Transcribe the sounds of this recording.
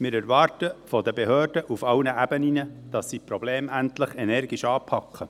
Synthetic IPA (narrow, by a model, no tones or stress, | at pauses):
mɪːɾæɾʋɑːɾtəfɔd̪əbeɦøːrdəʔufɑwnəʔæbəninəd̥ɑsːipɾɔb̥leːmæntləχɛnɛrɡiʃɑːpʰɑkχə